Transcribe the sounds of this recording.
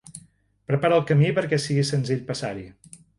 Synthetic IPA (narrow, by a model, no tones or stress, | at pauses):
pɾəpaɾəlˠkəmipəɾkɛsiɣisənziʎpəsaɾi